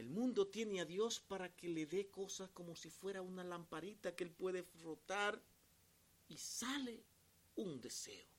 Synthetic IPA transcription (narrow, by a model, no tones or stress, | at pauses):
elmũnd̪o̞t̪je̞neaðjo̞spaɾake̞le̞ðe̞ko̞sasko̞mosifwe̞ɾaunalampaɾit̪akeelpwe̞ðefɾot̪aɾ | isale | und̪e̞se̞̰o